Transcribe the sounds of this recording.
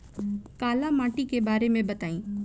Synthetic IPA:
kaːlamaːʈikebaːɾemẽbɐt̪aːĩː

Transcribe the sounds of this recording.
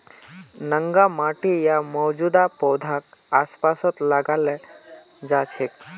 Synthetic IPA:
nəŋɡamaʈijamɔwd͡ʑud̪apɔwd̪ʱakaspasət̪laɡalɛ | d͡zat͡ɕʰek

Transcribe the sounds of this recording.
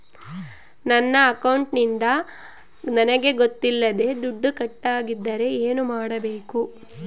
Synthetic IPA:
nɐnːɐːkɐwɳʈnind̪ɐ | nɐnɐɡe̞ɡot̪ːilːɐd̪e̞d̪uɖːukɐʈːaːɡid̪ːɐɾe̞eːnumaːɽɐbe̞ːku

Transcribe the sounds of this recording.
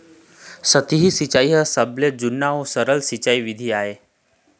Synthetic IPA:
sət̪iɦisit͡ʃaːiɦəsəbled͡ʒʊnːaosəɾəlsit͡ʃaːiʋɪd̪ʱiaːɦeː

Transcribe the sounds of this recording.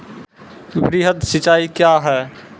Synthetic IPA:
bɾiːɦət̪sɪt͡ʃaːikjaɦɛː

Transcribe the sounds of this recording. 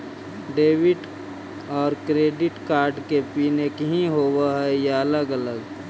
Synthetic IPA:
ɖeːwɪʈ | ɔːɾkɾeːɖɪʈkaːɾɖkepiːnekɦĩɦowaɦɛjeələɡələɡ

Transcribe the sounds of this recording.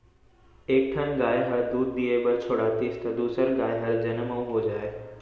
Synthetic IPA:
eːk̚ʈʰənɡaːjɦɐɾd̪uːd̪̚ːiebɐɾt͡ɕʰoːɽaːt̪ist̪ɐd̪uːsəɾɡaːjɦɐɾd͡ʑɐnəmɐũɦoːd͡ʑaːe

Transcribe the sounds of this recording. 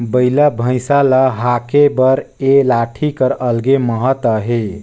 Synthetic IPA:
bəjlabʱə̃jsaləɦakebəɾelaʈʰikəɾəlɡeməɦət̪əɦe

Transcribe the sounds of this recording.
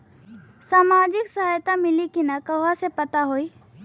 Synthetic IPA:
saːmaːd͡ʒɪksɐɦajt̪amɪlikinakɐʋasepɐt̪aɦoːi

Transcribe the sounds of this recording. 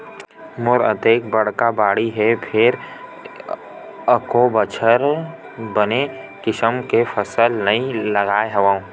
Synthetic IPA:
mʊɾə̰t̪eːkbɐɽ̤kabaːɽiɦɛpʰɪɾ | ɐkobət͡ʃʰəɾ | bəne | kɪʃəmkefʰəsəlnɐɦĩlɐɡaːeɦɐʋaːũ

